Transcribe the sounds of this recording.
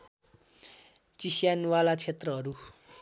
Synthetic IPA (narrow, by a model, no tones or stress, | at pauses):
t͡sisjanwalat͡sʰet̪rʌɦʌɾu